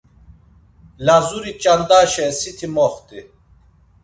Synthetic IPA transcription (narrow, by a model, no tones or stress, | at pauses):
lazuɾit͡ʃʼand̪aːʃɛsit̪ʰimɔχt̪ʼi